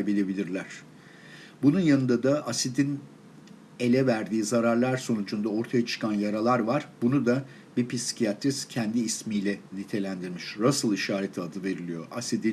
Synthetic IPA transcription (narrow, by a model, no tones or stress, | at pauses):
bilʲe̞bilʲiɾlʲæɾ̥ | bununjanɯnd̪ad̪aʔasid̪in | e̞lʲɛvæɾd̪iːzaɾaɾlˠaɾso̞nud͡ʒund̪ao̞ɾt̪ʰajat͡ʃʰɯ̥kʰanjaɾalˠaɾvaɾ̥bunud̪a | bipisi̥cʰijat̪ʰɾiscʰɛnd̪iːsmiːlʲɛnit̪ʰe̞lʲænd̪iɾmiʃɾasɯlˠiʃaːɾe̞t̪ʰiad̪ɯve̞ɾilʲijo̞̰ʔasid̪in